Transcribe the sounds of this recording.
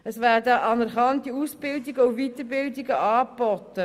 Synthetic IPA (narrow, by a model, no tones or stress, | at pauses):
əsvæːrdəʔɑnərχɑnt̚diusb̥ɪldiɡəuvitərbɪldiɡəʔɑːbɔtə